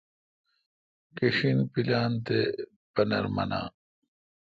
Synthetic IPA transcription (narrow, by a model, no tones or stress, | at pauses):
keɕinpilaːnt̪e | bɐnɐ̰ɾmɐ̰na̰ː